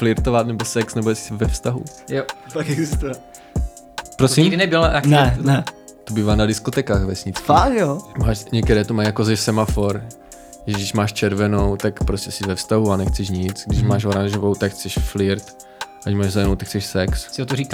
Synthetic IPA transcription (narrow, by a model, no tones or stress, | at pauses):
flɪɾt̪ovat̪nɛbosɛksnɛbojɛsɪ̥sɪvɛfst̪aɦṵ | jofakɛɡzɪst̪uvɛ | pɾosiɪnɛbɪlanɛnɛt̪obiːvaːnadɪskot̪ɛkaːxvɛsɲɪt͡sfakjomaːʃɲɛkt̪ɛɾɛːt̪omajjakozɛsɛmafoɾ | ʒɛɡdɪʒmaːʃt͡ʃɛɾvɛnowt̪akpɾoscʲɛsɪvɛfst̪aɦuanɛxt͡sɛʃɲɪt͡sɡdɪʃmaːʃ̬oɾaɲʒovowt̪akxt͡sɛʃflɪɾt̪ | ʔacmaːʒzaɛnowt̪akxkt͡sɛʃsɛkssɪot̪oɾik